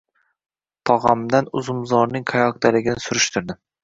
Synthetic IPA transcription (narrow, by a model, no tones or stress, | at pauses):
t̪ʰɒʁamd̪anʊzʊmzɒɾnɪŋqʰajɒqd̪alɪɡʲɪnɪsʊɾɪʃt̪ʰʊɾd̪ɪ